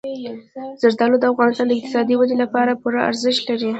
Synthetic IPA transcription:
z̥aɾd̪ɑlod̪əafɣɑnɪst̪ɑnd̪əɪq̚t̪ɪ̥sɑd̪iwanelapɑɾapuɾaa̰ɾzɪʃt̪laɾi

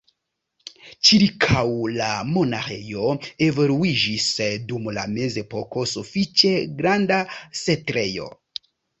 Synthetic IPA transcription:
t͡ʃiɾkʰawlamo̞naxejo̞e̞voluid͡ʒisdumla̰me̞ze̞po̞ko̞sufit͡ʃe̞ɡɾandasetɾe̞jo̞̰

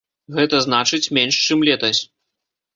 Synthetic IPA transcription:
ɣɛt̪ɐznat͡ʂɨt͡sʲmʲɛnʂt͡ʂɨmlʲɛt̪ɐsʲ

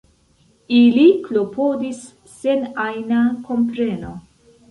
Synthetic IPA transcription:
iliklopʰodisː | enajnako̞mpɾeno

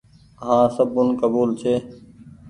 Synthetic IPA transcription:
ɦãːsəbʊnkəbuːlt͡ʃʰeː

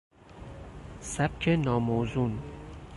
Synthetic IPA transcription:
sæb̚cʰenɒːmoːzun

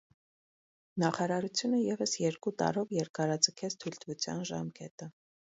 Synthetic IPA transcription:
nɑχɑɾɑɾut͡sʰjunəjɛvəsjɛɾkut̪ɑ̰ɾɔvjɛɾkɑɾɑd͡zəkʰɛt͡sʰt̪ʰujlt̪vut͡sʰjɑ̰nʒɑmkɛt̪ə

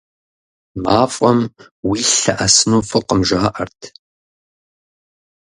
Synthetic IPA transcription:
maːfʼɔm | wiːɬɐʔɐsɨnuːfɨqəmʒaːʔɐrtʰ

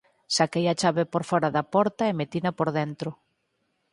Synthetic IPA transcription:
sakejɐt͡ʃaβɪpoɾfɔɾaðɐpɔɾt̪ɐemet̪inɐpoɾðent̪ɾʊ

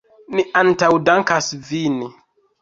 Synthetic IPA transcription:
miʔantawdaŋkasvini

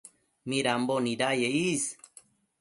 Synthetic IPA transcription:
mĩɾamboniɾajeis

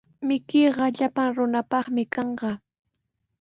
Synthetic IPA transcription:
mɪkɪjɢɑʎapaŋɾʊnapɑχmɪkɑɴɢɑ

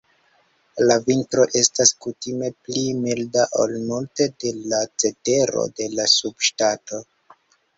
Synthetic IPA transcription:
lavintɾo̞ʔe̞staskutime̞plimildaʔolnulte̞de̞lat͡se̞te̞ɾo̞̰de̞lasubʃtato̞

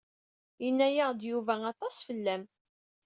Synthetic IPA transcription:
jənːæjaʁd̪juvæɑt̪ˤɑsfəlːæm

